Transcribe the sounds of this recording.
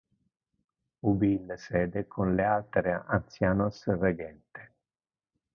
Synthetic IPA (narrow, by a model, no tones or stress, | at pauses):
ubilsɛːd̪ekʰonlealt̪ɾeant̪sjaːnosreɡɛnt̪ɪ̥